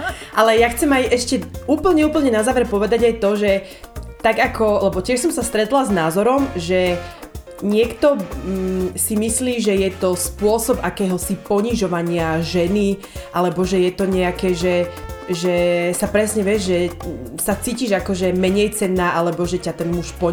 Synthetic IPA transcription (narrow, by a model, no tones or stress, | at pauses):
ʔalɛjaxt͡sɛmajʔɛʃcɛuːpl̩ɲɛuːpl̩ˠɲɛnazaːʋɛɾpɔʋɛd̪aɟajt̪ɔʒɛ | t̪aɡakɔlɛbɔcɪɛʃsɔmsast̪ɾɛt̪laznaːzɔɾɔmʒɛ | ɲɪɛkt̪ɔ | simisliːʒɛjɛt̪ɔspʊɔsɔbakɛːɦɔsipɔɲiʒɔʋaɲɪaʒɛni | ʔalɛbɔʒɛjɛt̪ɔɲɛakɛːʒɛʒɛsapɾɛsɲɛʋjɛʒʒɛsat͡siːciʒakɔʒɛmɛɲɛjt͡sɛnːaːʔalɛbɔʒɛcat̪ɛnmuʃpɔ